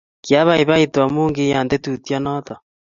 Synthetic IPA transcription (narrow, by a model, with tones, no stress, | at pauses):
kja˦βa˦iβa˦itwa˨moː˦ŋɡeja˨nde˦tutja˦nɔta˨